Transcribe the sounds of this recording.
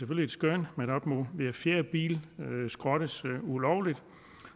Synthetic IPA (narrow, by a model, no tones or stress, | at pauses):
seføl̰ie̝d̥sɡ̥ønmeɾɒb̥moʋeæfjeɐb̥ḭːlsɡ̥ʁɒ̽ɾ̥əsulɒʊlid̥